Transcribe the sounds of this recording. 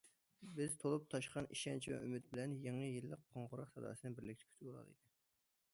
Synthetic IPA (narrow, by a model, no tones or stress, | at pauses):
bɪz̥t̪ʰolˠup̚t̪ʰɑʃqɑniʃɛnt͡ʃʰivɛ̰ʔymɪt̪̚bɪlɛnjɑŋəjilˠːəqʰːoɴʁʊɾɑqsɑd̪ɑ̰ːsɨnɨbɪɾlɪkʲt̪ʰɪ̥kʲʰt̪ʰboɾˠɑ̰lˠḭd̪ɨ